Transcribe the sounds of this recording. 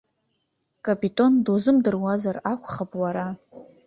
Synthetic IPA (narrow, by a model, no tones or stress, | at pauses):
kʼapʼitʼo̞ndozɨmdɨrwazarakʷʰχapʼwaɾa